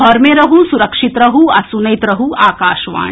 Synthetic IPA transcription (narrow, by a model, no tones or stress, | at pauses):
ɔɾmẽɾɐɦusuɾɐkʃit̪ɾɐɦuɐsunɐjt̪ɾɐɦuaːkaːʃʋa̰ːɳ̃